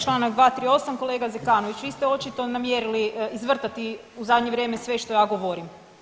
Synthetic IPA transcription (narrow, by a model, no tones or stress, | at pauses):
t͡ʃlˠaːnaɡd̪ʋaːt̪ɾio̞samko̞leːɡazekaːnoʋit͡ɕʋiːst̪eo̞t͡ʃit̪o̞namjeɾiliizʋr̩t̪at̪iuzad̪ɲeʋɾje̞ːmesʋe̞ʃt̪o̞jaːɡo̞ʋoɾim